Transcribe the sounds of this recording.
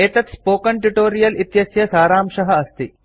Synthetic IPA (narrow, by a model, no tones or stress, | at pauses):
eːt̪ɐt̪spoːkɐɳʈuʈoːɾijɐlit̪jɐsjɐsaːɾaːmʂɐɦɐɐst̪i